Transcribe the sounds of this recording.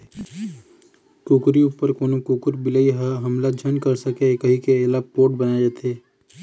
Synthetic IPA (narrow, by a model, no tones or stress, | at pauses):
kuːkɾiupəɾkoːnokuːkʊɾbɪləiɦaɦɐmlad͡ʒʱɐnkɐɾsɐkekəɦikeeːlapoːʈbɐnad͡ʒaːt̪ʰeː